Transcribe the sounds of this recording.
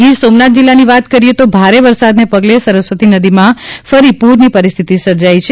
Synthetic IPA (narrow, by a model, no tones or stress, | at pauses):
ɡiɾsomnat̪̚d͡ʒilːaniʋat̪kəɾijet̪obʱaɾeʋəɾsad̪nepəɡlesəɾəsʋət̪inəd̪imãfəɾipuɾnipəɾist̪ʰit̪isəɾd͡ʒait͡ʃʰ